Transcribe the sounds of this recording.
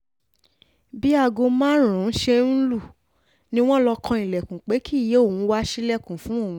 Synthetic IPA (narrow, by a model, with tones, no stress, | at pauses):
bi˨˦a˧ɡo˧mã˦ɾ̃ã˨n̩˦ʃe˧n̩˦lu˦˨ | nĩ˧˦w̃ɔ̃˦lɔ˧kɔ̃˧i˨lɛ˨kũ˨k͡pe˨˦ki˦˨je˨˦o˦˨wũ˨˧˦wa˦ʃi˦lɛ˦˨kũ˨fũ˨˦o˦˨wũ˨˦